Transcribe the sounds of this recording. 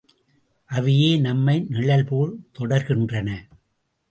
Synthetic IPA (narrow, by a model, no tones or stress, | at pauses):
ʔɐʋɪjeːnɐmːɐɪnɪɭɐlpuːɾt̪ɔɽɐɾɣɪndrɐnɐ